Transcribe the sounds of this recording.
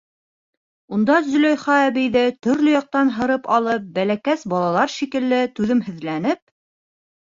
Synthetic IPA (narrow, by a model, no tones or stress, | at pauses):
und̪ɑzɵ̆lojχɑæβɘjðɘt̪ɵ̆ɾlɵjɑq̚t̪ɑnɦɤ̆ɾɤpɑlˠɤp̚bælækæsbɑlˠɑlˠɑɾʃikɘ̆lːɘt̪ʉðɘmhɵ̆ðlænɘp̚